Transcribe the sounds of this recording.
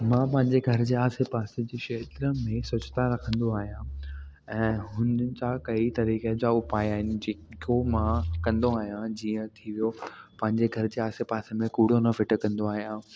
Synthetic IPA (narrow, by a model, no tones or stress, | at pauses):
mãːpɐ̃ɦɪ̃ɲd͡ʑeɡʱɐɾɪd͡ʑeːaːsepaːsed͡ʑeːʃeːt̪ɾəmẽsʊt͡ɕt̪aɾɐkʰə̃nd̪oaːɦijã | ɛ̃ːɦʊnt͡ɕakɐit̪ɐɾiːked͡ʑaʊpaːiaːɦɪnɪ̆d͡ʑeːkomãkɐ̃nd̪oaːɦijãd͡ʑiːə̃t̪ʰiʋijopɐ̃ɦɪ̃ɲd͡ʑeɡʱɐɾɪd͡ʑeːaːsepaːsemẽkuːɽ̤onɐfɪʈə̆kɐ̃nd̪oaːɦijãː